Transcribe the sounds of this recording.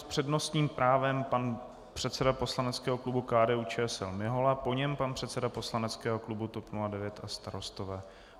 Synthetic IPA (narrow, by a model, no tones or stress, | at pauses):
spr̥ɛdno̞st̪ɲiːmpɾaːvɛmpan | pr̝̥ɛt̪sɛdapo̞slanɛt͡skɛːɦoklubukaːdɛːuːt͡ʃɛːɛsɛlmɪɦo̞lapo̞ɲɛmpanpr̝̥ɛt̪t͡sɛdapo̞slanɛt͡skɛːɦo̞klubut̪o̞pnuladɛvjɛt̪ast̪aɾo̞st̪o̞vɛː